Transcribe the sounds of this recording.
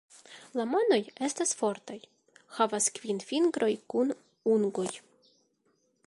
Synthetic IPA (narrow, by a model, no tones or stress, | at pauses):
lamo̞no̞je̞stasfo̞ɾtaj | havaskv̥infiŋɡɾo̞jkun | unɡo̞j